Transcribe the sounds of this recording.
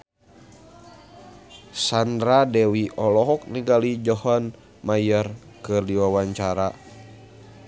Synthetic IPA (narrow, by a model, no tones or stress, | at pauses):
sandɾadɛwiʔɔlɔɦɔk̚niɡalid͡ʒɔhɔn | majər | kɨrdiwawaɲt͡ʃaɾa